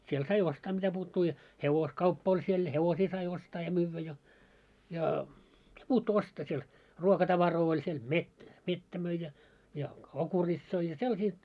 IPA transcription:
siel sɑi ostɑː mitæpuːtːuː jɑ heʋoskɑupːɑ olʲ siel jɑ heʋosiː sɑi ostɑː jɑ myːʋːæ jɑ jɑ m̆ĭt̆æ̆puːtːuː ostɑː siel ruokɑtɑʋɑroː olʲ siel met metːæ møi jɑ jɑ okuritsoi jɑ selːɑsiː

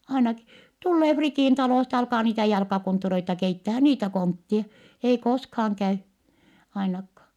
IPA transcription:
ɑinɑki tulːeː fritiˑn tɑloˑstɑ jɑ ɑlkɑː niːtæ jɑlkɑkontːureitɑ keitːæhæ niːtæ kontːie ei koskhɑːŋ kæy ɑinɑkːɑː

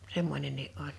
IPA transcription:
semːonʲenːiː ʔolʲ

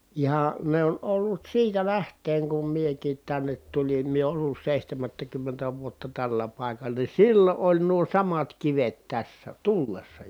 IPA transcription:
ihɑ ne on olːut siːtæ læhtˑeːŋ kum miekiːt tænːet tulin mie olːus seˑihtæmætːækymːentæ ʋuotːɑ tælːæ pɑˑi̯kɑlˑɑ ni silːo ʔolʲ nuo sɑmɑt kiʋet tæsːæ tulːesːɑ

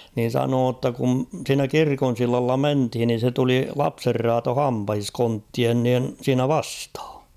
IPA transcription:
niːn̞ sɑnoː tːɑ kun̞ siːnæ kirkon̞ silːɑlːɑ menthin nin̞ se tuli lɑpserːɑːto hɑmpɑhis kontːien niːn̞ siːnæ ʋɑsthɑ̥

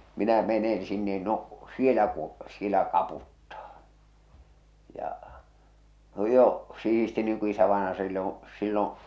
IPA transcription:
minæ menen̞ sinːen no sielæ ku sielæ kɑputːɑː jɑ jo sih̞isti niːŋ ku isæʋɑenɑjɑ silːõː silːõː

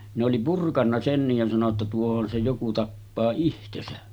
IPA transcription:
ne oli purkɑnːɑ senːij jɑ sɑno tːɑ tuohon se joku tɑpːɑː ihtesæ

